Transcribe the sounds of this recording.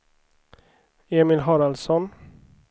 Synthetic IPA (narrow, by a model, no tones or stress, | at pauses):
eːmɪlɦɔɾalsɔn